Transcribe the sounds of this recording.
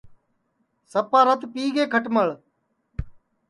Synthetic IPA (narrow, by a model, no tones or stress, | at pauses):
səpaːɾət̪piːɡeːkʰəʈməɭ